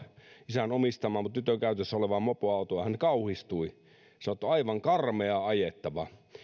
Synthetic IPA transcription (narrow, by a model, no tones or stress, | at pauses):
isænomist̪ɑmˑɑːmut̪t̪yt̪økæˑyt̪esːæoleʋɑmmopoɑˑut̪oɑhænkɑuhist̪ui | sɑnot̪ːuɑiʋɑŋkɑrmeɑɑjet̪ːɑʋɑ